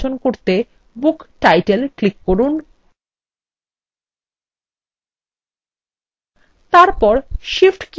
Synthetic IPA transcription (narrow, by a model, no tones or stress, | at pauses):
onkoɾt̪e | bukʈajʈelklikːoɾun | t̪aɾpɔɾʃifʈk